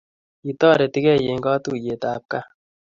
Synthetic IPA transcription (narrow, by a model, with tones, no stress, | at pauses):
i˨tɔ˦˨ɾɛ˨ti˦kɛ˦˨je˨ŋ˦ɡɔ˦tu˦˨je˨ta˨p̚ka˦